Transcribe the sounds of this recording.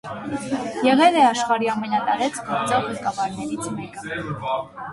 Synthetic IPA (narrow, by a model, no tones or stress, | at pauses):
jɛʁɛlɛɑʃχɑɾiɑmɛnɑt̪ɑɾɛt͡sʰɡɔɾt͡sɔʁːɛkɑvɑɾnɛɾit͡sʰmɛkə